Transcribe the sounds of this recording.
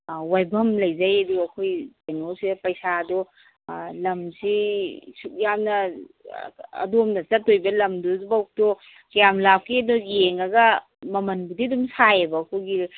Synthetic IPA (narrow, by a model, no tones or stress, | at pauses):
wajbɐmlɐjzajɐduɐkʰojpanosidpɐjsadɔ | lɐmsisuk̚jamnɐ | ɐ̰domnɐt͡ʃɐtːojbɐlɐmduzbawk̚tɔ | kɐjamlap̚kidɔjeŋɐɡɐ | mɐmɐnbudidumsajebɐkʰoɡi